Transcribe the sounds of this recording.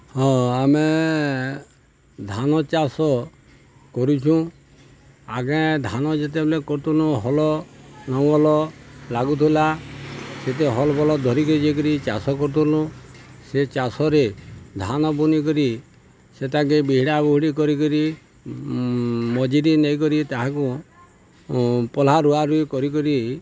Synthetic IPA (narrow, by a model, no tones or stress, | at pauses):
hɔ̃ame | d̪ʱanɔt͡ʃasɔ | kɔɾut͡ʃʰũ | aɡãd̪ʱanɔd͡ʒet̪̬eblekɔɾt̪ulũɦɔlɔnɔw̃ɔlɔlaɡut̪ʰula | set̪̬eɦɔlɔbɔlɔd̪ʱɔɾikɔid͡ʒek̬ɔɾit͡ʃasɔkɔɾut̪ʰulũset͡ʃasɔɾed̪ʱanɔbunikɔɾi | set̪aɡebiɦiɽabuɦiɽikɔɾikɔɾi | mɔd͡ʒiɾinɔjk̬ɔɾit̪aɦaku | pɔl̤aɾuaɾuikɔɾikɔɾi